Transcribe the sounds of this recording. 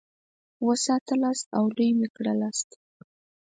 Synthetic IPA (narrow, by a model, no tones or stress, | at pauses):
wəsɑt̪əlɑst̪awd̪ujmɪkɽə̰lɑst̪